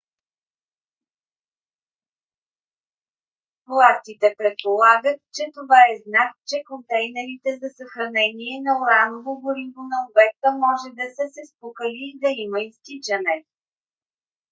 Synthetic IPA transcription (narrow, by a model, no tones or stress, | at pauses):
plˠast̪it̪ɛpɾɛt̪̚polˠaɡət̪̚t͡ʃɛt̪ovaɛznak̚t͡ʃɛkont̪ɛjnɛɾit̪ɛzɐsɐxɾɐnɛniɛnɐoɾanvoɡoɾivonɐobɛk̚t̪əmɔʒɛd̪ɐsəsɛspukəliːd̪ɐiməist̪it͡ʃɐnɛ